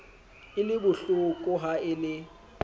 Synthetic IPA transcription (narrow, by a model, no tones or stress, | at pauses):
ɪlɪbʊɬʊkʼʊɦaɪlɪ